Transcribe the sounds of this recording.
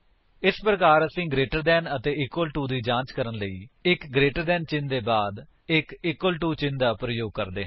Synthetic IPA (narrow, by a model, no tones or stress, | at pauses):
ɪspɾəkaːɾəsĩːɡɾeːʈəɾd̪ɛːnət̪eːɪkwəlʈuːd̪iːd͡ʒãːt͡ʃkəɾənləiːɪkɡɾeːʈəɾd̪ɛːnt͡ʃɪnd̪eːbaːd̪ | ɪkɪkwəlʈuːt͡ʃɪnd̪aːpɾəjoːɡ̚kəɾd̪eː